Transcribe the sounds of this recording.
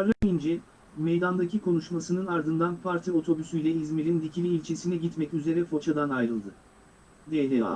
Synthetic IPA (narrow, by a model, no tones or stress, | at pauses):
ɾlaind͡ʒɛ | mejd̪and̪acʰikʰo̞nuʃmasɯnɯnaɾd̪ɯnd̪anpʰaɾt̪ʰio̞t̪ʰo̞bysyjlʲɛizmiɾind̪icʰilʲiːlʲt͡ʃʰesinɛɟit̪mɛcyze̞ɾɛfo̞t͡ʃʰad̪anajɾɯlˠd̪ɯ | d̪elʲɛa̰